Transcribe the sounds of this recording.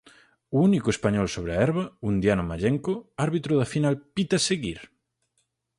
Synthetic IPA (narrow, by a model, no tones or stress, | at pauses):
uunikʊespaɲɔlsoβɾeaɛɾβɐund̪janʊmaʎɛŋkoaɾβit̪ɾʊðɐfinalpit̪ɐseɣiɾ